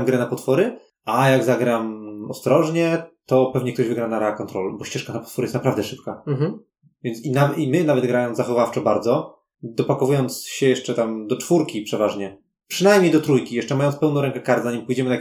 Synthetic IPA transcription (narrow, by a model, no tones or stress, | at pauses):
mɡɾɛnapɔt̪fɔɾɘ | ajaɡzaɡɾamɔst̪ɾɔʐɲɛt̪ɔpɛvɲɛkt̪ɔʑvɘɡɾanaɾɛakɔnt̪ɾɔlbɔɕt͡ɕɛʂkanapɔ̥t̪fɔɾɘjɛst̪napɾavd̪ɛʂɘpka | vʲjɛnt̪sinavimɘnavɛd̪ɡɾajɔnzaxɔvaft͡ʂɛbaɾd̪zɔ | d̪ɔpakɔvujɔnt̪sɕɛjɛʂt͡ʂɛt̪amd̪ɔt͡ʂfuɾkʲipʂɛvaʐɲɛ | pʂɘnajmʲɲejd̪ɔt̪ɾujkʲijɛʂt͡ʂɛmajɔnt̪spɛwnɔ̃w̃ɾɛŋkɛkaɾt̪zaɲimpujd͡ʑɛmɘna